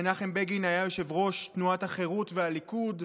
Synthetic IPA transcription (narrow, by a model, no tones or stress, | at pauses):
naχembeɡinajajo̞ʃe̞vʁo̞ʃtnuataχe̞ʁutvealikud